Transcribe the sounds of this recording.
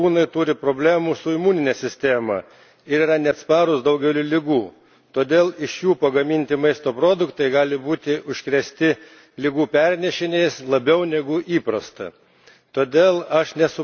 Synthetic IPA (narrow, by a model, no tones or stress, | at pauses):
uːnɐɪt̪uɾʲɪpɾoːbʲlʲæːmuːsʊɪmuːnʲɪnʲɛsʲɪsʲt̪ʲæːmɐ | ɪɾiːɾɐnʲɛɐt̪spɑːɾʊsd̪ɐʊɡʲɛʊlʲuːlʲɪɡuː | t̪oːd̪ʲeːlˠɪʃjuːpɐɡɐmʲɪnʲt̪ʲɪmɐɪst̪oːpɾoːd̪ʊkt̪ɐɪɡɑːlʲɪbuːt̪ʲɪʔʊʃʲkɾʲɛsʲt̪ʲɪ | lʲɪɡuːpʲɛɾʲnʲɛʃʲɪnʲeːjslˠɐbʲɛʊnʲɛɡʊʔiːpɾɐst̪ɐ̰ | t̪oːd̪ʲeːlˠɐʃnʲɛsʊ